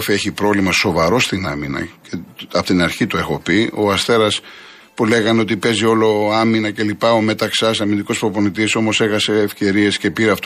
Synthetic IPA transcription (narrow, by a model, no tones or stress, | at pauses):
fieçipɾo̞vlimɐso̞vɐɾo̞st̪inɐminɐ̰ceɐpot̪inɐɾçit̪oe̞xo̞pio̞ɐst̪e̞ɾɐs | pule̞ɣɐno̞t̪ipe̞zio̞lo̞ɐminɐce̞lipɐome̞t̪ɐksɐsɐmind̪iko̞spɾopo̞nit̪iso̞mo̞se̞xɐse̞ːfce̞ɾie̞sce̞piɾeɐft̪